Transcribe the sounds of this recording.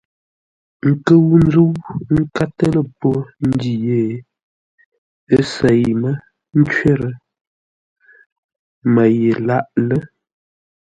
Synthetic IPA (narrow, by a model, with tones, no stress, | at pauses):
ŋ̩˦˨kə˦wu˦n˦zu˦wŋ̩˦ka˦tə˦lə˦po˦n̩˦di˨je˦˨ | ə˦sə˨jmə˦ | n̩˦t͡ʃɥe˦ɾə˨ | mə˨je˨la˦ʔlə˦